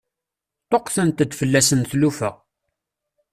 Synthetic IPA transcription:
t̪ˤoqθænt̪əd̪fəlːæsənθlufæ̰

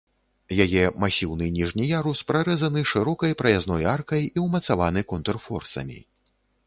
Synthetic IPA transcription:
jajɛmasʲiwnɨnʲiʐnʲijaɾuspɾaɾɛzɐnɨʂɨɾɔkɐjpɾɐjaznɔjarkɐjiwmɐt̪savanɨkɔnt̪ɛrfɔrsɐ̰mʲḭ

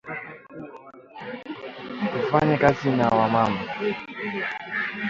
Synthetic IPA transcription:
kufaɲɛkazinawamamba

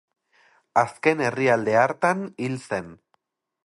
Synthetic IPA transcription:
aske̞ne̞riald̪e̞aɾt̪anilse̞n

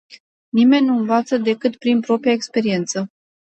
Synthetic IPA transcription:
nime̞nʲnuɨnvat̪səd̪e̞kɨt̪pɾinpɾo̞pɾijaekspe̞ɾie̞nt̪sə

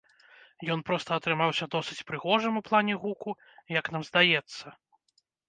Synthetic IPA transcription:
jɔn̪pɾɔst̪ɐːt̪ɾɨmawsʲɐd̪ɔsɨt͡sʲpɾɨɣɔʐɨmuplˠanʲɛɣuku | jɐknamzd̪ajɛt̪sːɐ

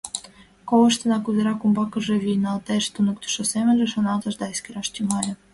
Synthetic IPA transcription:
kowɤ̆ʃt̪ɤ̆nɑkuzĕɾɑkumbɑkɤ̆ʒĕvʲinɑt̪eʃt̪unə̆kt̪u̥ʃosemʲɘ̆lĕʃŏnɑt̪ɤ̆ʒd̪ɑeskeɾɑʃt̪ʲymɑlʲɤ̆

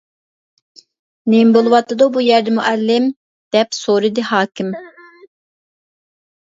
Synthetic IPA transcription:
nembolˠuwɑt̪ːɨd̪əbujɛɾd̪ɛmuʔɛlːɪm | d̪̥ɛpsoɾid̪ɨhɑːkʰʲim

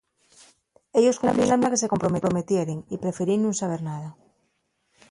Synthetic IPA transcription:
eʎoskompɾilamakeseko̞mpɾomeɾomet̪jeɾeŋipɾe̞feɾinːũŋsaβeɾnaða

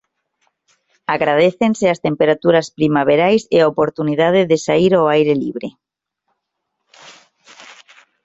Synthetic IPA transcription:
aɣɾað̞eθenseast̪empeɾat̪uɾaspɾimaβ̞eɾajseaopoɾt̪unið̞að̞eðesaiɾoajɾelḭβ̞ɾe

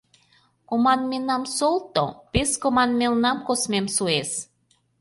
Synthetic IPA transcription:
komɑnmenɑmsolt̪o̰peskomɑnmelnɑmkosmemsues

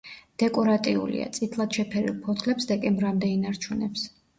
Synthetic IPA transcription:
d̪̥ɛkʼɔɾat̪ʼiṵlḭa̰t̪sʼit̪ʰlˠad̪̥ʃɛpʰɛɾḭlˠpʰɔt̪ʰlɛpsd̪ɛkʼɛmbɾamd̪ɛinaɾt͡ʃʰunɛps

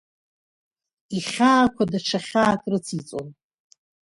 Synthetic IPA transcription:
iχʲaːkʷʰadaʈ͡ʂʰaχʲaːkʼrɨt͡sʰit͡sʼon

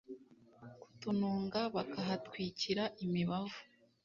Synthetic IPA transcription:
ku̥tunuːŋɡaβakaɦatwiːciɾaʔimiβavu̥

